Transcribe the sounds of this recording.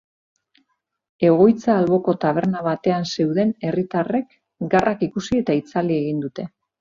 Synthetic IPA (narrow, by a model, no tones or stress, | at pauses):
e̞ɣo̞jt͡saːlβo̞ko̞t̪aβ̞e̞ɾnaβ̞at̪e̞anse̞uwðe̞ne̞rit̪are̞k | ɡarʔakikusie̞t̪ait͡salie̞ɣind̪ut̪e̞